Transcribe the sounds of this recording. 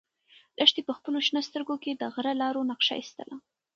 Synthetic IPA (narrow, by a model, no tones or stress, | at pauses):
lʔəʂt̪epəxpəloʃnəst̪əɾɡoked̪əɣɾalɑɾonaqʂa̰jist̪ə̰la